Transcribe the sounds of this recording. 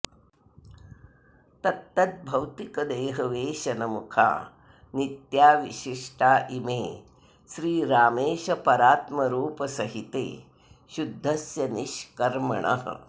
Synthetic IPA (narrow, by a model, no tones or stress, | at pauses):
t̪ɐt̪ːɐt̪̚bʱɐwt̪ikɐd̪eːɦɐʋeːʃɐnɐmukʰa̰ː | nit̪jaːʋiʃiʂʈʰaːʔimeː | ʃɾiːɾaːmeːʃɐpɐɾaːt̪mɐɾuːpɐsɐɦit̪ḛː | ʃud̪ʱːɐsjɐniʃkɐɾmɐ̰ɳɐ̰ɦɐ̰